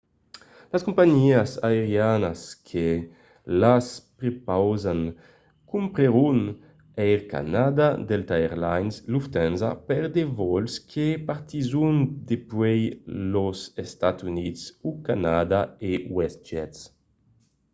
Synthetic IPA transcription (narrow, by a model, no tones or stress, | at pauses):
laskumpaɲiasaeɾjanaskʰe | laspɾepawzan | kumpɾeɾun | ɛjlka̰nad̪ad̪elt̪aeɾlajnsluft̪ɛnza̰pɛɾd̪evɔlskʰepaɾt̪izund̪epwɛjlozest̪at̪sunitsukanad̪aewɛst̪d͡ʒɛts